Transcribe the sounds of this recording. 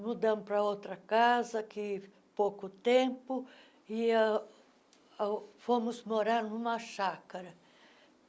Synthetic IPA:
mud̪ɐ̃mʊpɾɐowt̪ɾɐkazɐkɪ | powkʊt̪ẽpʊ | ɪa | fomʊzmoɾaɾnũmɐʃakɐɾɐ

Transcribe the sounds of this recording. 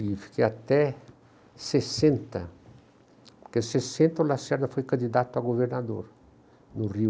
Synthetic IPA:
ifkeat̪ɛ | sesẽnt̪ɐ | pkesesẽnt̪ɐolasɛɾd̪ɐfojkɐ̃nd̪id̪at̪ʊaɡoveɾnad̪oɾ | nʊri

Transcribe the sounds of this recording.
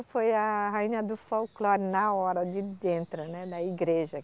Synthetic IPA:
fojɐɦaĩnɐd̪ʊfowklɔɾnɐɔɾɐd̪ɪd̪ẽnt̪ɾʊnɛd̪ɐiɡɾeʒɐ

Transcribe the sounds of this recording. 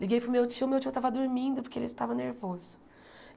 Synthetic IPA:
liɡejpɾʊmewt͡ʃiʊmewt͡ʃijʊt̪avɐd̪ʊɾmĩnd̪ʊpʊɾkeḛlɪst̪avɐneɾvozʊ

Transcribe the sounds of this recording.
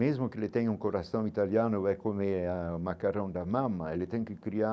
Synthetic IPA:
ɛzmokelet̪ɛɲuŋkoɾasɔ̃ŋit̪aljanoɛkomeamakaɾɔ̃ŋd̪amamːaɛlet̪ɛŋkekɾia

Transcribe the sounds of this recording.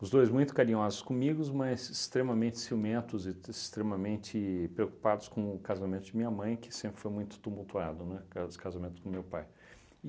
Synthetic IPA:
ʊzd̪ojzmũj̃t̪ʊ̥kaɾĩɲɔzʊskõmiɡʊzmɐzɪst̪ɾemɐmẽnt̪ɪ̥simẽnt̪ʊzɪɪst̪ɾemɐmẽnt͡ʃ̪ɪpɾeoku̥pad̪ʊskõʊkazamẽnt̪ʊd͡ʒɪmĩɲɐmɐ̃j̃kɪ̥sẽmpɾɪ̥fojmũj̃t̪ʊ̥t̪umuwt̪uad̪ʊnɛ̃kaskazamẽnt̪ʊ̥skõmewpaj

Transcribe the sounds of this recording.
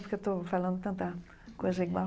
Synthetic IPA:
pɾket̪ofalɐ̃nd̪t̪ɐ̃nt̪ɐ | koziɡa

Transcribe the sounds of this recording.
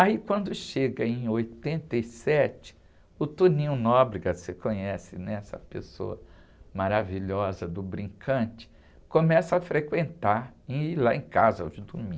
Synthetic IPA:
aikwɐ̃nd̪ʊʃeɡɐẽj̃ojt̪ẽnt̪ejsɛt͡ʃɪ̥ | ʊt̪unĩʊnɔbɾiɡɐsekõɲɛsɪnɛɛsɐ̰pḛso̰ɐ | maɾaviʎɔzɐd̪ʊbɾĩkʰɐ̃t͡ʃɪ̥ | kõmɛsɐafɾekwẽnt̪aɾẽilaẽkazɐo̰d͡ʒɪd̪umĩ

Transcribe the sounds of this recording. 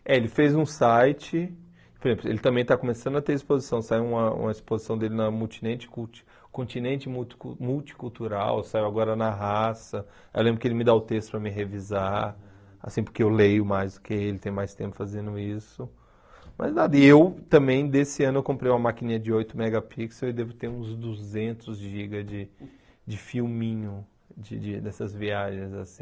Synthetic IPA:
ɛelɪfezũsajt͡ʃɪ | poɾezẽplʊḛlɪt̪ɐ̃mbẽj̃t̪akõmesɐ̃nd̪ʊɐt̪eɾispozisɐ̃w̃saiwũmɐṵ̃mɐispozisɐ̃w̃d̪elɪnɐmuwt͡ʃinẽnt͡ʃɪ̥ku̥ | kõnt͡ʃ̪inẽnt͡ʃɪmumuwt͡ʃi̥kuwt̪uɾa̰wsaiwaɡɔɾɐnɐɦasɐ | ewlẽmbɾʊkelɪmɪd̪aʊt̪est̪ʊ̥pɾɐmɪɦeviza | a̰sĩpʊɾkeewlejʊmajzd̪ʊkʰɪelɪt̪ẽj̃majst̪ẽmpʊ̥fazẽnd̪ʊisʊ | mɐ̰znad̪ɐɪewt̪ɐ̃mbẽj̃d̪esɪɐ̃nʊewkõmpɾejũmɐmakinĩɲɐd͡ʒɪojt̪ʊmɛɡɐpʰiksɐwɪd̪evʊt̪eɾũzd̪uzẽnt̪ʊzʒiɡɐd͡ʒɪ | d͡ʒɪfiwmĩɲʊ | d͡ʒɪd͡ʒɪd̪ɛsɐzviaʒẽj̃zasĩ

